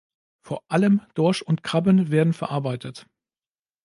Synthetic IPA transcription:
foːɐʔaləmd̥ɔɐʃʊntkʁ̥abənveːɐdn̩fɛɐʔaɐbaɪtʰət

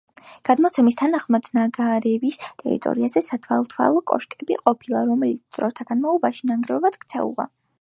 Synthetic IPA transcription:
ɡ̥ad̪mɔt̪sʰɛmist̪ʰanaχmad̪̥naɡaɾɛvist̪ʼɛ̰ɾḭt̪ʼɔ̰ɾiazɛsat̪ʰwa̰lˠt̪ʰwa̰lˠɔkʼɔ̰ʃkʼɛbiqʼɔpʰilˠaɾɔmɛlit̪ʰd̪̥ɾɔt̪ʰaɡ̥anmaɔbaʃinaŋɡɾɛɔbad̪̥kʰt̪sʰɛ̰ṵʁa̰

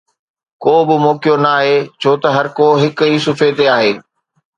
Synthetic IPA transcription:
koːbɪmoːkijonɐaːɦeːt͡ɕʰoːt̪ɐɦɐɾkoːɦɪkɦiːsʊfet̪eaːɦeː

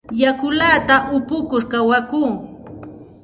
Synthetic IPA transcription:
jakʊlaːt̪aʊpʊkʊɾkawakuː

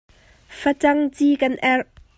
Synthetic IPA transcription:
fɐt͡sɐŋt͡sikɐnʔɛr

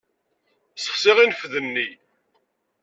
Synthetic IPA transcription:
sə̥χsiʁinfðənːi

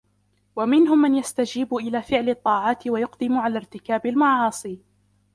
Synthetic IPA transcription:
wamɪnɦʊmːanjast̪ad͡ʒiːbʔɪlaːfɪʕlɪt̪ˤːɑːʕɑːt̪ɪwajʊqd̪ɪmʊʕalaːɾt̪ɪkaːbalmɑʕɑːsˤiː

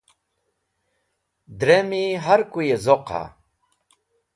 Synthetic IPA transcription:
d̪ɾemiɦaɾkujezoqa̰

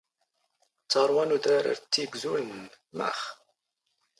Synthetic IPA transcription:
t͡sːəɾˤwanud̪æɾə̰ɾt͡sːiɡʷzulnən | mæ̰χ

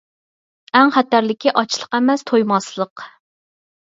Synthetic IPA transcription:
ɛŋχæt̪æɾlɪkʲʰiʔɑt͡ʃʰlˠə̥qɛmɛst̪ʰojmɑslˠəq

